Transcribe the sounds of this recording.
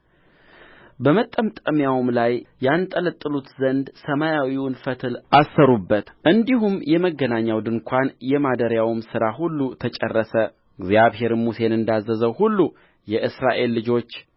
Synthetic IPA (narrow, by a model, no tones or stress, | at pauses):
bəmət̪ʼːəmt̪ʼəmjawmlajjant̪ʼələt̪ʼːɨlut̪zənd̪səmajawiwʊnfət̪ʰɨlʔasːəɾubːət̪ʔɨnd̪iɦumjɛməɡənaɲːawd̪ɨnkʷʰanjɛmad̪əɾjawmsɨɾahulːut̪ʰət͡ʃʼɛ̰rːəsə | ɡzjaβɦe̞ɾmuse̞nɨnd̪azːəzəwhulːu | jɛʔɨsɾaʔe̞lːɨd͡ʒo̞t͡ʃː